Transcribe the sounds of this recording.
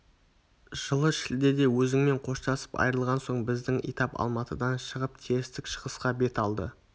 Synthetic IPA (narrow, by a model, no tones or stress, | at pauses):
ʒ̥əlˠəʃɪld̪e̞d̪e̞wɵzɪŋme̞ɴqʰo̞ʃt̪ɑsə̥pɑ̰jəɾəlˠʁɑnso̞ɴbɪzd̪ɪŋḭt̪ɑpɑ̰lˠmɑt̪əd̪ɑnʃəʁəp̚t̪ʰeɾɪst̪ɪkʃəʁəsqɑbe̞t̪ɑlˠd̪ə̰